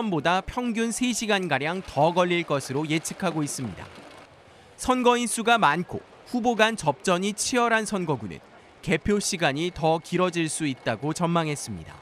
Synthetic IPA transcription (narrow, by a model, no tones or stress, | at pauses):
ʌnbodapʰjʌŋɡjunsʰeɕʰiɡanɡaɾjaŋtʌɡʌʎːiɭk͈ʌsʰɯɾoje̞t͡ɕʰɯ̥kʰaɡois͈ɯmɲida̰ | sʰʌnɡʌins͈ʰuɡamankʰo̰ | ɸuboɡant͡ɕʌp̚t͡ɕ͈ʌɲit͡ɕʰiʌɾansʰʌnɡʌɡunɯ̰n | ke̞pʰjoɕʰiɡaɲitʌkiɾʌd͡ʑiɭs͈uit̚t͈aɡot͡ɕʌnmaŋɦe̞s͈ɯmɲida̰